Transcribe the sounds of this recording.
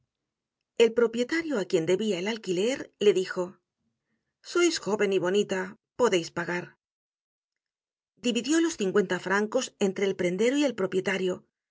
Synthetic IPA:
e̞lpɾo̞pje̞t̪aɾjoakje̞nd̪e̞βiaelalkile̞ɾle̞ðixo̞ | so̞jsxo̞βe̞niβo̞nit̪a | po̞ðe̞jspaɣaɾ | d̪iβiðjo̞lo̞sθiŋkwe̞nt̪afɾaŋko̞se̞nt̪ɾe̞ːlpɾe̞nd̪e̞ɾoie̞lpɾo̞pje̞t̪aɾjo̞

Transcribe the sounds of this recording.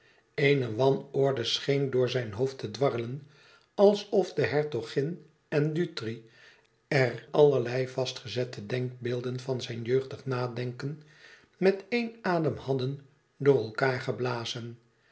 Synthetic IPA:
ejnəʋɑnɔɹdəsχejndʊːɹzɛjnɦoʊftədʋɑrələn | ɑlˠsɔfdəɦɛɹtoχɪn | ɛndytri | ɛrɑləɹlɛjvɑstχəzɛtədɛŋk̚beːlˠdənvɑnzɛjnjøɥχdəχnaːdɛŋkən | mɛtejnaːdəmhɑdən | dʊːɹɛlˠkaːɹχəblaːzən

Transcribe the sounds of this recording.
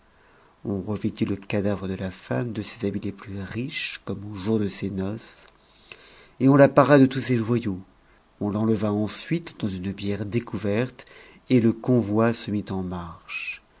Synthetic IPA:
ɔ̃ʁəvid̪iləkad̪avʁəd̪əlafamd̪əsezabileplyʁiʃkɔmoʒuʁd̪əsenɔs | eɔ̃lapaʁad̪ət̪useʒwajo | ɔ̃lɑ̃ləvaɑ̃sɥit̪d̪ɑ̃zynbjɛʁd̪ekuvɛʁt̪ | eləkɔ̃vwasəmit̪ɑ̃maʁʃ

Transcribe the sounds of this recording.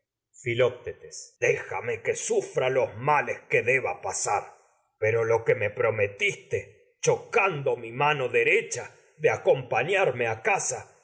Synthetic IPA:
filop̚t̪et̪esd̪exa̰mekesufɾalo̞zmale̞ske̞ðe̞βapasaɾ | pe̞ɾo̞lo̞ke̞me̞pɾo̞met̪ist̪e̞ | t͡ʃo̞kand̪o̞mimano̞ðe̞ɾet͡ʃa | ðeako̞mpaɲaɾme̞akasa

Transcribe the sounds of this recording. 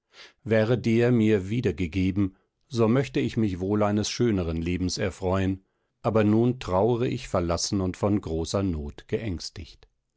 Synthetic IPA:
vɛːʁədeːɐmiːɐviːdɐɡəɡeːbm̩ | zomœçtəɪçmɪçvoːlaɪnəsʃøːnəʁənleːbm̩sɛɐfʁ̥ɔʏən | ʔaːbɐnuːntʁ̥aʊəʁəʔɪçfɛɐlasn̩ʊntfɔnɡʁoːsɐnoːtɡ̥əʔɛŋstɪ̰çt

